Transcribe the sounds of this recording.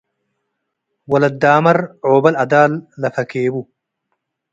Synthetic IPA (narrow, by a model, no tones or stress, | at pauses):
wɐlɐd̪ːaːmɐɾʕoːbɐlʔɐd̪aːlːɐfɐkeːbu